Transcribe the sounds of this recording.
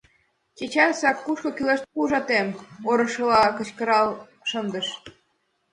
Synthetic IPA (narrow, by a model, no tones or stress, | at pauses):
t͡ɕet͡ɕɑrsɑkːuʃkɤ̆kyleʃt̪pulʒɑt̪emoɾɤ̆ʃɤ̆lɑkə̆t͡ɕkə̆ɾɑl | ʃənd̪ə̆ʃ